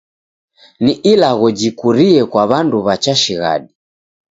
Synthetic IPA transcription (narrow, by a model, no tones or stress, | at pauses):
niʔilaɣɔd͡ʒikuɾiɛkwaβanduβat͡ʃaʃiɣa̰ɗi